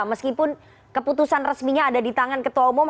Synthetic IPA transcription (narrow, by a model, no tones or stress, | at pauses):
məskipʊn | kəput̪usanrəsmiɲaːdadit̪aŋankət̪uwaumʊm